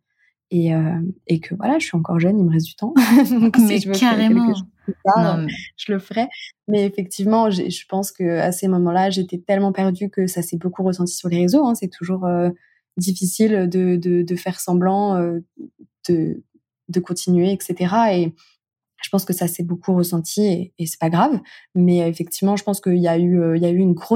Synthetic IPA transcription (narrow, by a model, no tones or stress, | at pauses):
eøekʰəvwa̰laʒəsɥiɑ̃kɔʁʒœniməʁezyt̪ɑ̃d̪ɔ̃ksiʒəvøɛʁkɛlkəʒ | epaʁʒ̥ələfəʁɛmɛːfɛk̚t̪ivmɑ̃ʒḛʒəpɑ̃skəa̰səmɔmɑ̃laʒeːt̪ɛt̪ɛlmɑ̃pɛʁd̪ykəsasɛbokuʁəsɑ̃t̪i̥syʁleʁezoɛ̃sɛt̪ʰuʒuʁø | d̪ifisilød̪əd̪əd̪əfɛʁsɑ̃blɑ̃ø | d̪̥ə | d̪əkɔ̃t̪ʰinɥeɛkset̪eʁae | ʒ̥əpɑ̃skəsasɛbokʰuʁəsɑ̃t̪ʰieːsɛ̥paɡʁavmɛefɛk̚t̪ivmɑ̃ʒəpɑ̃skəiljayøiljayynɡʁo